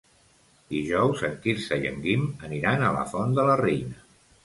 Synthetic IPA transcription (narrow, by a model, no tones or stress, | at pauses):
d̪iʒɔwzəŋkiɾsəjə̰ŋɡiməniɾanələ̰fɔnd̪ələrejnə